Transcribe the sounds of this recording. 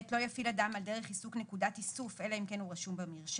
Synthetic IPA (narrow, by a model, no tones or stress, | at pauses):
t̪lo̞jafiladamalde̞ʁ̞eχisuknekudat̪isufe̞laimkenuʁaʃumbamiʁʃ